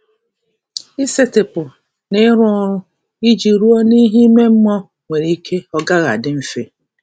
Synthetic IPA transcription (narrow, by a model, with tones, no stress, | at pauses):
i˦se˦tɪ˨pʊ˨ | ne˦ɾʊ˦ɔ˦ɾʊ˦ | i˦d͡ʒi˨ɾu˦ɔ˦ni˦ɦi˦me˦m̩˦mɔ˦ | ŋʷe˨ɾi˦kʰe˦ɔ˦ɡa˦ɣa̰˨dɪ˦m̩˦fe˦